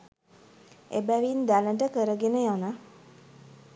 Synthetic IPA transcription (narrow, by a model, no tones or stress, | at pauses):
ebæʋind̪æləʈəkəɾəɡenəjanə